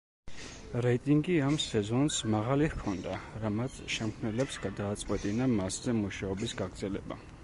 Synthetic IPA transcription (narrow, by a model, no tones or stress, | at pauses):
ɾɛit̪ʼiŋɡiamsɛzɔnsmaʁalihkʰɔnd̪aɾamat̪ʰʃɛmkʰnɛlɛpsɡad̪aːt̪sʼqʼwɛt̪ʼinamaszɛmuʃaɔbisɡaɡd̪zɛlɛba̰